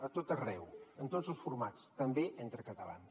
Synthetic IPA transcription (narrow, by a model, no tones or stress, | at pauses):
ət̪ot̪ərɛwənt̪ozəlˠsfuɾmat͡st̪əmbeʔent̪ɾəkət̪əla̰ns